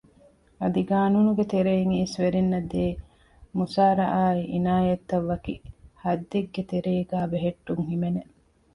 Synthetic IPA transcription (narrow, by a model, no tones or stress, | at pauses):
ɐd̪iɡaːnunuɡet̪eɾejiŋiːsʋeɾinːɐd̪eː | musaːɾɐ̰ʔaːiʔinaːjɐt̪ːɐʋːɐkihɐd̪ːeɡːet̪eɾeːɡaːbeɦeʈːuŋɦimene